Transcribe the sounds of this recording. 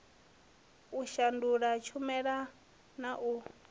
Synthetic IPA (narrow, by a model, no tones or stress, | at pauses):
uʃanduɺat͡ʃʰumɛɺa | naʔu